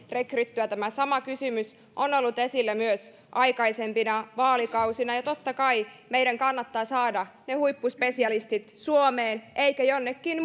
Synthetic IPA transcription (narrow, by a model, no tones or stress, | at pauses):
rekryt̪ːyæt̪æmæsɑmɑkysymys | ʔonolːut̪esilːæmyøs | ʔɑikɑisempinɑʋɑːlikɑusinɑjɑt̪ot̪ːɑkɑimeidæŋkɑnːɑt̪ːɑːsɑːdɑnehuipːuspesiɑlist̪it̪suomeːnʔeikæjonːekːin